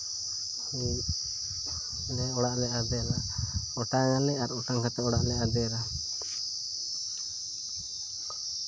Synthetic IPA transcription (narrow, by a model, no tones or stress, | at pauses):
hi | lɛɔɽaʔlɛʔad̪ɛla | ɔʈaŋalɛʔaɾɔʈaŋkʰat̪ɛɔɽaʔlɛʔad̪ɛɾa